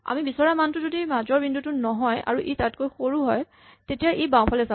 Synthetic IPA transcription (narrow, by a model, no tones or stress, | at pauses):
a̰mibisɔɹamantʊzodimazɔɹbindutʊnɔɦɔja̰ɹuʔitat̚kojxoɹuɦɔj | tetijaʔebãw̃pʰalɛza